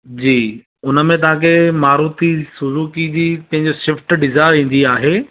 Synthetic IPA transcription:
d͡ʑiː | ʊnə̆mẽt̪ɐʋ̤ãkʰemaːɾuːt̪ʰisʊzuːkid͡ʑiːpɐ̃ɦɪ̃ɲd͡ʑoʃɪfʈɖɪzaːɪɾĩːn̆d̪iaːɦeː

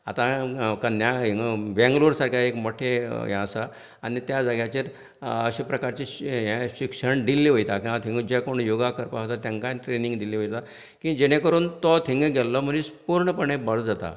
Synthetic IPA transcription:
a̰t̪ãkanjaɦiŋɡbɛ̃ŋɡluɾsaɾkʰjaekmɔʈʰejɛ̰̃əsa | anit̪jad͡zəɡjat͡ɕeɾ | əɕiːpɾəkaɾt͡ɕiɕjɛ̃ɕikʂəɳd̪ilːiʋojt̪akĩʋat̪ʰĩŋɡəd͡ʑɛkoɳjoɡakəɾpaɦot̪at̪jãŋkaʈɾeniŋɡd̪iliʋojt̪a | kĩd͡ʑɛɽ̃ẽkəɾuːnt̪ɔt̪ʰiŋɡɡɛlːɔm̤ənispuɾɳəpəɳẽbəɽd͡zat̪a̰

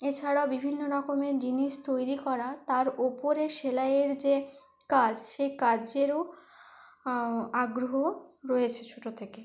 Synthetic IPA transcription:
et͡ɕʰaɽaobibʱinːoɾɔkomed͡ʑiniʃt̪ojɾikɔɾat̪aɾopoɾeʃelaeɾd͡ʑe | kad͡ʑʃejkad͡ʑeɾo | aɡɾoɦoɾɔet͡ɕʰet͡ɕʰoʈot̪ʰeke

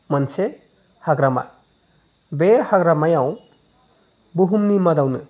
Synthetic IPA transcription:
mɐnsʰe | haɡɾama̰ | behaɡɾamajaw | buɦumnimɐd̪awnɯ

